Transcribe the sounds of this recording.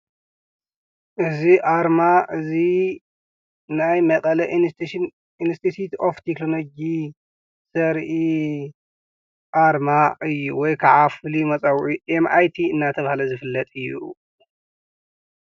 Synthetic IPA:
ʔɨziʔaɾmaʔɨzi | najmɐkʼɐlɐʔ | inst̪ʰit̪ʰit̪oft̪ʰekloloɡi | sɐɾʔi | ʔaɾmaʔɨjːṵwɔjkʰaʕafɨlimɐt͡sʼawʔiʔemʔajt̪ʰiɨnːat̪ʰɐβahalɐzɨfɨlːɐt̪ʼɨjːṵ

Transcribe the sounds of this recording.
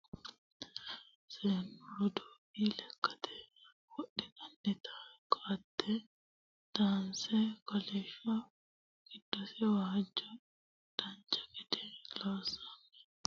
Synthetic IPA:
seːnːɔɾɔd̪oːbiːlɛkːɐ̥t̪ʰɛ̥ | wɔɗɛt̪ʼɐnːɛt̪ʰakʼat̪ːɛ | d̪̥aːnsɛkɐleːʃɐ | kɪd̪̥ːɔsɛwahɐd͡ʒːɐ | d̪̥ɐnt͡ʃʼːɐ̥kɛd̪ɛlaːsɐnːɛ

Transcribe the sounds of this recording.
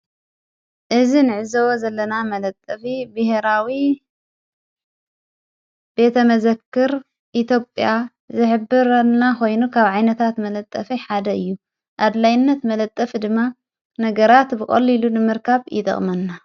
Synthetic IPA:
ʔɨzinɨʕɨzɐwozɐlːɐnamɐlɐt̪ʼːɐfibɨheɾawi | b̥e̞t̪ʰɐmɐzɐkːɨɾ | ʔit̪ʰjo̞pʼja | zɨħɨbːɨɾɐlnako̞jnukʰaβʕajnɐt̪ʰat̪mɐlɐt̪ʼːɐfiħad̪ɐɨjːu | ʔad̪lajnːɐt̪mɐlɐt̪ʼːɐfd̪ɨmːa | nɐɡɐɾat̪bɨkʼɐ̰lːilunɨmɨɾkʰaβjɪ̰t̪ʼɐ̰χʼmɐnːa

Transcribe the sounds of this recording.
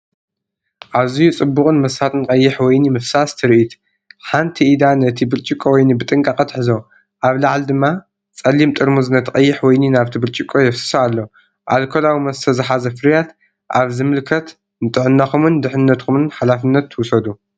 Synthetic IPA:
ʔaβzijut͡sʼɨbːuχʼɨnmɐsat̪nɨqʼɐjːɪħwɔjnimɨfsast̪ʰɨɾʔit̪ | ħant̪ʰiʔːd̪anɨt̪ʰibɨɾt͡ʃʼikʼːowɔjnibɨt̪ʼɨŋkʼaqʼɐt̪ħɨzo̞ | ʔaβlaʕld̪ɨmːa | t͡sʼɐlːimt̪ʼɨɾmuznɐt̪ʰɨqʼɐjːɪħwɔjninaβt̪ʰibɨlt͡ʃʼikʼojɛfsɨ̥saalːo | ʔalkʰolawimɐsɨ̥t̪ʰɐzɨħazɐfɨɾjat̪ | ʔaβzɨmɨlkʰɐt̪ | nɨt̪ʼɨʕɨnːaxumɨnd̪ɨħɨnːɐt̪kʰumɨnħalafɨnːɐt̪ʰːɨwʊsɐd̪u

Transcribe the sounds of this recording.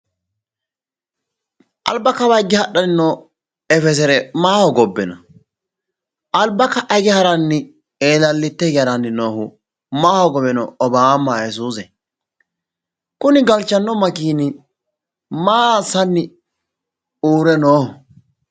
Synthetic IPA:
ʔɐ̰lbːɐkɐbɐɡɪhɐɗːɐnɪnɔ | ɛfɛs̬ɛɾɛmaːhɔɡɔbːɛnɐ | ɐlbːɐkːɐʔɐɡɪhɐɾɐnːɪ | eːlɐlːɪt̪ːɛɡɐɾɐnːɪnoːhʊ | maːhɔɡɔbɛnɔ̰ɔbaːmaːjɛs̬uːsɛ | kʊnɪɡɐlt͡ʃːɐnːɔmɐkiːnɪ | maːsɐnːɪ | uːɾɛnoːhʊ

